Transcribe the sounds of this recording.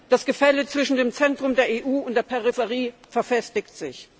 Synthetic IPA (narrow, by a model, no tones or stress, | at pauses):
d̥asɡ̥əfɛlət͡sv̥ɪʃn̩deːmt͡sɛntʁ̥ʊmdeːɐeːʔuːʊntd̥eːɐpʰɛʁɪfəʁiːfɛɐfɛstɪktz̥ɪç